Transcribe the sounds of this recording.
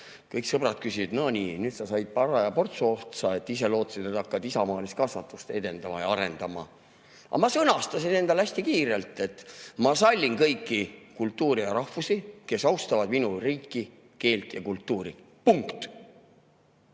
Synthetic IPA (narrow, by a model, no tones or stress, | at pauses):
kɤjksɤb̥ɾɑt̪̚kysid̪̥nonʲiːnyːt̪sɑsɑjd̪̥̚pɑrɑjɑpo̞rt̪suoht̪sɑe̞t̪ːˑis̬e̞lo̞ːt̪ːˑɑ̥sid̪et̪ɑkːɑd̪isɑmɑːlist̪kɑsvɑt̪ːˑust̪e̞d̪e̞nd̪̥ɑmɑjɑ̰ɑɾe̞nd̪̥ɑmɑ̰ | ɑ̰mɑsɤnɑst̪ɑsine̞nd̪ɑlæsʲt̪ikiːɾe̞lt̪ˑːe̞t̪ːmɑsɑlʲːinkɤjkːikult̪ːˑuːɾijɑɾɑhvusike̞sɑwst̪ɑvɑd̪minuriːkːi | ke̞ːlt̪jɑkult̪ːuːɾi | puŋkt̪